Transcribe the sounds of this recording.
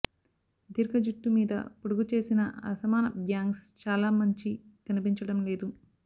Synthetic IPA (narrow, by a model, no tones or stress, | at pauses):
d̪iɾkɐd͡ʒuʈːumiːd̪ɐ̰puɽuɡut͡ʃe̞ːsinɐɐ̰sɐmaːnɐbjaːŋɡst͡ʃaːlaːmɐɲt͡ʃikɐnipiɲt͡ʃɐɽɐmleːd̪u